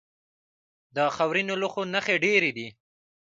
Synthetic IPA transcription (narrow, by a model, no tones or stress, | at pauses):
d̪əxawɾinolʊxonaxeɖeɾed̪i